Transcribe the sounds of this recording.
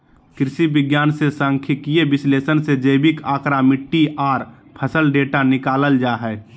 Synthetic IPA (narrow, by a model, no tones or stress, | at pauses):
kɾɪʃibɪɡjaːnsesãŋkʰikijebɪsleːsənsed͡ʒəɪbɪkaːkɾamɪʈːiʔaːɾ | pʰəsəlɖeːʈanɪkaːləld͡ʒaːɦɛː